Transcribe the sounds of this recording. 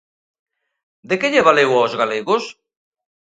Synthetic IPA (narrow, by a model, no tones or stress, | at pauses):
d̪ekeʎeβalewawzɣaleɣos